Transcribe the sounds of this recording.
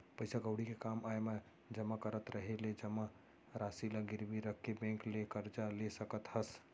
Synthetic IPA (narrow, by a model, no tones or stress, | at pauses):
pəɪsaɡəʊɽikekamaeme | d͡ʒəmːakəɾət̪ɾəɦeled͡ʒəmːa | ɾasilaɡiɾbiɾəkkːebẽŋklekəɾd͡ʒalesəkət̪həs